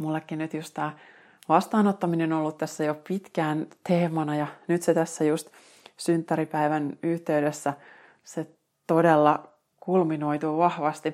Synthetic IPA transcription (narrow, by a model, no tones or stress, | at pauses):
mulːekːinyt̪just̪t̪æː | ʋɑst̪ɑːnot̪ːɑminenolːut̪t̪æsːæjopit̪kæːnt̪eːmɑnɑjɑnyt̪set̪æsːæjust̪ | synt̪ːæɾipæiʋænyht̪e̞ydesːæ | se | t̪odelːɑ | kulmino̞jt̪uʋɑhʋɑst̪i